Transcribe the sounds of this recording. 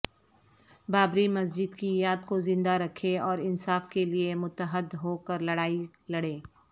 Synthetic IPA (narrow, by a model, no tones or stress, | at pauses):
baːbɾimɐs̬d͡ʒɪd̪kijaːd̪kozɪ̃nd̪aɾɐkʰeɔːɾɪnsaːfkeliemʊt̪əɦəd̪ɦoːkəɾlɐɽaːi | lɐɽeː